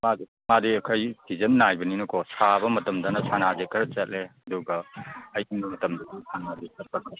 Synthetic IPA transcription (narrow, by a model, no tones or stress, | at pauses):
ma | madiɐkʰɐjbizɐnnːajbɐninɐkʰosabɐmɐtɐmdɐnɐsʰanazekʰɐɾɐt͡ʃɐt̚leɐduɡɐːjiŋɐmɐtɐmdɐdisʰanadikʰɐɾ̚pɐkʰɐɾ